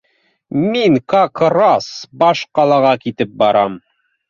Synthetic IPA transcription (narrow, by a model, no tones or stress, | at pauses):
miŋkakɾɑsbɑʃqɑlˠɑʁɑkit̪ɘp̚bɑɾɑm